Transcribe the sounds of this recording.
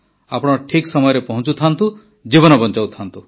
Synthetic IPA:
apɔɽ̃ɔɔʈʰiksɔmɔjɔɾepɔɦɔ̃t͡ʃut̪ʰant̪u | d͡ʒibɔnɔbɔnt͡ʃawt̪ʰant̪u

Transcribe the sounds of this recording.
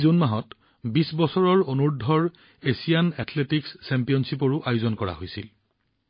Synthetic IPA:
zonmaɦɔt | bisbɔsɔɹɔɹonuɹdʱɔɹ | esijanɛtʰletiksːɛmpijɔnsipɔɹʊʔajʊzɔnkɔɹa̰ɦojsḭl

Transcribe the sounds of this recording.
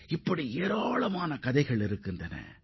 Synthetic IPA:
ɪpːɐɽieːɾaːɭɐmaːnɐkɐðɐɪɣɐɭɪɾɯkːɯndrɐnɐ̰

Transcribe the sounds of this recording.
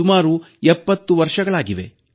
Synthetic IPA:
umaːɾu | ɛpːɐt̪ːuʋɐɾʂɐɡɐɭaːɡiʋe̞̰

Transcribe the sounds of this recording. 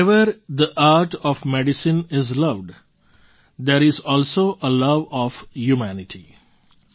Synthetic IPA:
ɛʋəɾd̪əʔaːɾʈɔːʋmɛɖɪsɪ̃nɪzlʌʋɖ | d̪eːɾɪzɔːlsoːʔəlʌʋɔːfjumænɪʈʰi

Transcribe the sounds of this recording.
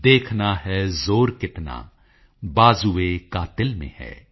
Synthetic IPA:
d̪eːkʰnaɦɛːzoːɾkɪt̪na̰ː | baːzuekaːt̪ɪlmḛ̃hɛ̰ː

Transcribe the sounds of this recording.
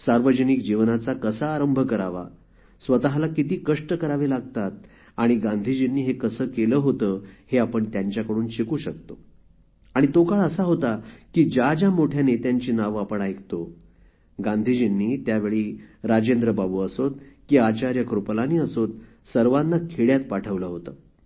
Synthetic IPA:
saɾʋəd͡ʑənik̚d͡ʑiʋnat͡sakəsaːɾəmbʱəkəɾaʋa̰ | sʋət̪aɦlakit̪iːkəʂʈəkəɾaʋelaɡ̚t̪at̪̚ | aɽ̃iɡãnd̪ʱid͡ʑinːiːɦekəsəːkeləɦot̪əːheapəɳt̪jaɲt͡ɕjakəɽuːnɕikuːɕək̚t̪o | aɽ̃it̪okaɭəsaɦot̪akiːd͡ʑad͡ʑamoʈʰjanet̪jaɲt͡ɕiːnaʋapəɳajkʰt̪o | ɡãnd̪ʱid͡ʑinːiːt̪jaʋeɭiːɾad͡ʑend̪ɾəbabuːəsot̪̚kiːat͡ɕaɾjəkɾuplaniːəsot̪̚ | səɾʋanːakʰeɭjat̪̚paʈʰəʋləɦot̪ə

